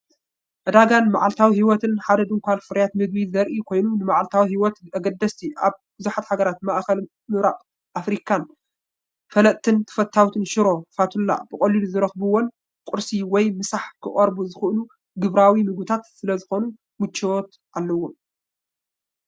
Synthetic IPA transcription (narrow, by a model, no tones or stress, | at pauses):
ʕɨd̪aɡanmaʕalt̪ʰawihiwɔt̪ɨnħad̪ɐd̪ɨŋkʰʷalfɨɾɐjat̪mɨɡwizɐɾʔikʰo̞jnunɨmaʕalt̪ʰawihiwɔt̪ɐɡɐd̪ːɐst̪ʰiʔaβbɨzuħat̪haɡɐɾat̪maʔxɐl | mɨɾaʔʼ | ʔafɾikʰan | fɐlɐt̪ʰːɨnt̪ʰɐ̥fɐt̪ʰːawt̪ʰɨnʃɪɾo̞fat̪ʰulːa̰b̥ɨkʼoliluzɨɾɐxbuwon | kʼʊɾsiwɔjmɨsaħkʰɨχʼɐɾbuzɨxɨʔlu | ɡɨβɾawimɨɡɨt̪ʰat̪sɨlɐzɨxo̞nu | mɨt͡ʃːewot̪ | ʔalːɐwːo